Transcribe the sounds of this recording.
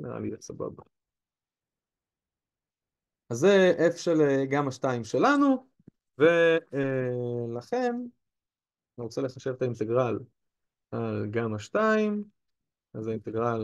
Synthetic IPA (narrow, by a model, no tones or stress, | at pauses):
nḛa̰lḭotsaba̰ba | azːeʔefʃeleɡamaʃtaimʃe̞lanu | ve̞ | laχe̞n | niʁot͡sele̞χaʃe̞vt̪aint̪e̞ɡʁal | alɡamaʃtaim | azaint̪eɡʁal